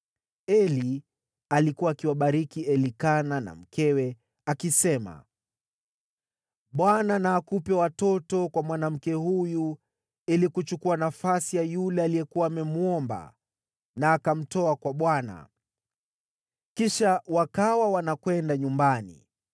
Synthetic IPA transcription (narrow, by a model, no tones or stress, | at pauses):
ɛli | alikuwaːkiwaɓaɾikiɛlikanana̰m̩kʰɛwɛ | akisɛma̰ | ɓwananaːkupɛwatɔtɔkwamwanam̩kɛhuju | ilikut͡ʃukuanafasijajulɛalijɛkuwaːmɛmuɔmba̰ | naːkam̩tɔakwaɓwana̰ | kiʃawakawawanakwɛndaɲumbanḭ